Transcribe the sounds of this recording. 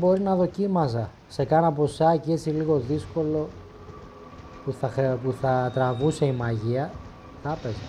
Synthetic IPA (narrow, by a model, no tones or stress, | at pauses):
bo̞ɾinɐðo̞cimɐs̬ɐ | se̞kɐnɐpo̞sɐcee̞t͡siliɣo̞ðisko̞lo̞ | puθɐpuθɐt̪ɾɐvuse̞imɐʝiɐ | t̪ɐpezɐ